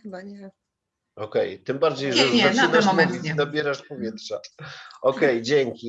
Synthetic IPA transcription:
ɔkɛjt̪ɘmbaɾd͡ʑejʐɛaɨd̪aʂid̪abʲjɛɾaʂpɔvʲjɛt̪ʂaɔkɛjd͡ʑɛŋkʲi

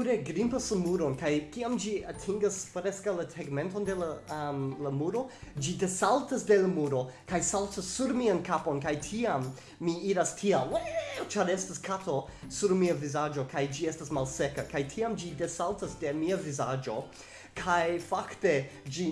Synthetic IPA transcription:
uɾeɡɾimpaslamuɾo̞nkajkiamd͡ʒiatʰiŋɡaspɾeskawlaseɡmẽ̞nto̞nde̞lamlamuɾo̞d͡ʒide̞saltasde̞lamuɾo̞kajsaltasuɾmiankapo̞nkajtʰiamː | iiɾastʰiamwet͡ʃaɾestaskʰato̞ | suɾmiavizad͡ʒo̞kʰajd͡ʒiestasmalsekakajtʰiamd͡ʒidesaltasde̞miavizad͡ʒo̞ | kʰajfakte̞d͡ʒi

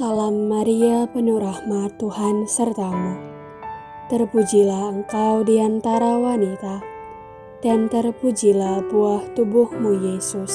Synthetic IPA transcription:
salamːaɾiapənuɾahmat̪uhansərt̪amu | t̪ərpud͡ʒilahəŋkawdiant̪aɾawanit̪a | d̥ant̪ərpud͡ʒilahbuaht̪ubʊhmujesʊs

